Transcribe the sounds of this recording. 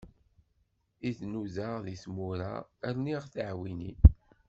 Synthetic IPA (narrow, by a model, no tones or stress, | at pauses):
iθnuðaʁðismuɾa̰æɾniʁθaʕwinḭ